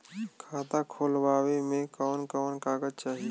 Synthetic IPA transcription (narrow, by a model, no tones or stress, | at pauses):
kʰaːt̪akʰoːlʋaːwemẽkɔːnkɔːnkaːɡəd͡ʒt͡ʃaːɦi